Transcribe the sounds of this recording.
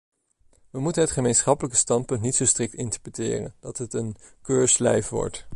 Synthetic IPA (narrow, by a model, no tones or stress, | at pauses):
ʋəmutənɦətχəmejnsχɑpələkə̥stɑnt̚pɵntnitsowstrɪk̚tɪntəɹprətɪ̰ːrə̰nd̥ɑtɦətən | køːɹslɛjfʋɔ̰ɹt